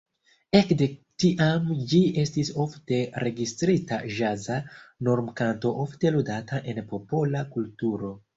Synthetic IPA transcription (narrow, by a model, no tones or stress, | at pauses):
e̞kde̞tiʔamd͡ʒie̞stiso̞fte̞ɾe̞ɡistɾita̰ʒazano̞ɾmkanto̞ʔofte̞ludataʔe̞npo̞polakultuɾo̞